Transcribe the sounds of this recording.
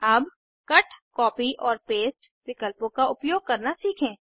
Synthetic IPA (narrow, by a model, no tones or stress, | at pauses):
ɐb | kɐʈʰkɔːpiʔɔːɾpeːst͡ʃʋɪkəlpõkaʊpjoːɡ̚kɐɾnasiːkʰẽː